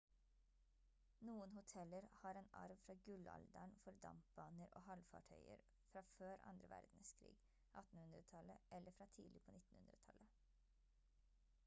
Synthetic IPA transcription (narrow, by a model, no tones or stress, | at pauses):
nuːənhʊt̪ʰɛləɾhɑːɾeːnɑ̰ɾʋfɾɑːɡʉlɑ̰ld̪æɳfɔɾd̪ɑ̰mp̚b̥ɑːnəɾʔoːhɑlfɑ̰ʈʰœʏə̰ɾ | fɾɑːføːɾɑ̰nd̪ɾəʋæ̰ɾd̪n̩skʰɾḭːɡ | ʔɑt̪n̩hʉnd̪ɾət̪ʰɑləʔɛlʔəfɾɑːt̪ʰiːlɪpʰoːnɪt̪n̩hʉ̰nɾət̪ʰɑlə